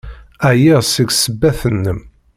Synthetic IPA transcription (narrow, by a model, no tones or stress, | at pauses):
æjiʁsəɡsəbːæθənːəm